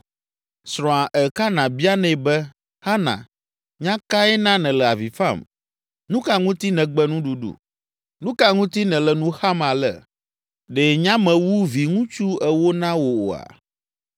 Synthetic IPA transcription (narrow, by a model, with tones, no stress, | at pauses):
sɾɔ̃˨a˨ʔɛ˨ka˦nã˨bi˦a˦nɛ̃˦˨bɛ˦ | ha˦nã̰˨ | ɲã˦ka˦ɛ˦nã˦nɛ̃˨lɛ˨a˨vi˨fa˦˨m | nũ˦ka˦ŋũ˦t̪i˦nɛ̃˨ɡ͡bɛ˦nũ˦ɖu˦ɖṵ˨ | nũ˦ka˦ŋũ˦t̪i˦nɛ̃˨lɛ˨nũ˦xa˦ma˨lɛ̰˨ | ɖɛ˨ɲã˦mɛ̃˨wu˦vi˨ŋũ˦t͡ʃu˦ɛ˦wo˦nã˦wo˨o̰˨a̰˨